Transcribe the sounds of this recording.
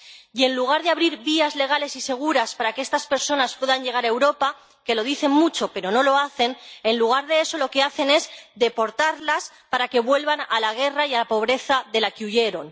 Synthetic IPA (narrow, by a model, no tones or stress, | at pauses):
je̞nluɣ̞aɾðeaβɾiɾβiazle̞ɣ̞ale̞sise̞ɣ̞uɾaspaɾakeest̪aspe̞ɾso̞naspwe̞ðaɲʝe̞ɣ̞aɾaewɾo̞pa | ke̞lo̞ð̞iθe̞nmut͡ʃo̞pe̞ɾo̞no̞lo̞aθe̞nenluɣ̞aɾðe̞eso̞lo̞ke̞aθe̞ne̞zðe̞po̞ɾt̪aɾlas | paɾake̞βwe̞lβanalaɣ̞e̞raialapo̞β̞ɾe̞θaðe̞lakeuʝe̞ɾo̞n